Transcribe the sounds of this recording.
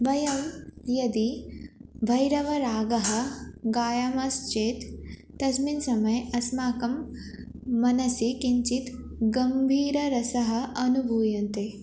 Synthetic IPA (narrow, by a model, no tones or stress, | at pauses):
bɐjɐmjɐd̪i | bʱɐjɾɐʋɐɾaːɡɐɦɐ̆ɡaːjɐmɐst͡ʃeːt̪ː | ɐsminsɐmɐjɐsmaːkɐmː | ɐnɐsikiɲt͡ʃit̪ | ɡɐmbʱiːɾɐɾɐsɐɦɐ̆ɐnubʱuːjɐnt̪e